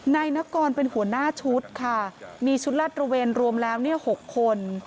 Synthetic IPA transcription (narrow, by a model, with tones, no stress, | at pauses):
na˧jna˦˥kɔː˧npe˧nhu˨˩˦ənaː˥˩t͡ɕʰu˦˥t̪̚kʰa˥˩miː˧t͡ɕʰu˦˥t̪̚laː˥˩t̪̚ɾa˧weː˧nɾu˧əmlɛː˦˥wni˥˩ɐho˨˩kʰːo˧n